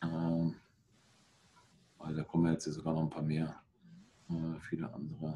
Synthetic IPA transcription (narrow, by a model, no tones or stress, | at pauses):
ʔɛm | vaɪldaːkʰɔmənjɛt͡stjaːzoɡaːnɔχn̩pʰaːɐmeːɐ | ʔɛːfiːlə̰ʔa̰ndəʁə